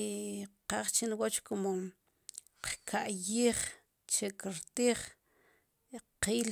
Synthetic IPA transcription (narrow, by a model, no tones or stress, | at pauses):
qaːχt͡ʃinwot͡ʃkomo | qkʰaʔjiːχ | t͡ʃekiɾt̪iːχ | qiːl